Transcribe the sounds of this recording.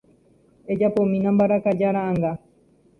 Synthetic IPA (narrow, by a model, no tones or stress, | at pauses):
ed͡ʒapomĩnãmbaɾakad͡ʒaɾãːŋɡa